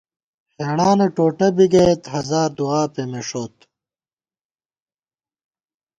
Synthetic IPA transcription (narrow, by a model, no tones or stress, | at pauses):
heːɳaːneʈoːʈɐbiɡɐet̪ɦɐzaːɾd̪uaːpemeʂoːt̪